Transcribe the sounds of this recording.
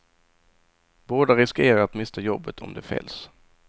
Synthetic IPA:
boːd̪aɾɪskeːɾaɾat̪mɪst̪ʰajɔbːət̪ʰɔ̰md̪ɛfɛ̰ls

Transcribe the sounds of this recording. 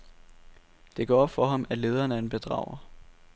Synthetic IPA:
d̥e̝ɡ̥ɒ̰ːb̥fɒ̽ɦɑ̈mæle̝ːðˠɐːnəenb̥e̝d̥ʁɑ̰̈ʊ̰ɐ

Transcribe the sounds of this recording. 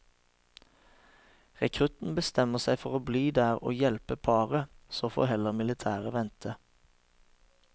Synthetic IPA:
ʁɛkʰʁʉt̪n̩bəst̪ɛməʁsæɪfɔʁoːbliːd̪æːʁo̰ːjɛlpəpʰɑːʁəsoːfɔ̰hɛləʁmɪlɪt̪ʰæːʁəʋɛnt̪ʰə

